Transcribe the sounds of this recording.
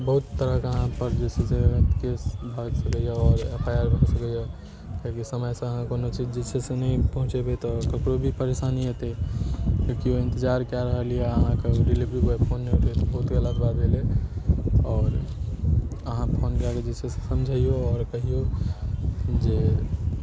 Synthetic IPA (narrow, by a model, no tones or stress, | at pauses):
bəɦut̪ːəɾəkəɦãpəɾd͡ʒɛseset̪kesbʱəɡsəkəjaɔːɾepʰajəɾbʱəɡsəkəja | kaikisəməjsẽəɦãkonot͡ʃid͡ʒd͡ʒesʰesenəĩpəɦũt͡ʃebet̪ɔkəkɾobʱipəɾesaniɦet̪ekjõkioẽnt̪əd͡ʒaɾkjaɾəɦəlijeəɦãkeɾilibɾiboepʰonːeobet̪ɔbəɦut̪ɡəlad̪babʱele | ɔːɾ | əɦãpʰonkaked͡ʒesese̥səmd͡ʒʱaijoɔːɾkəɦijo | d͡ʒe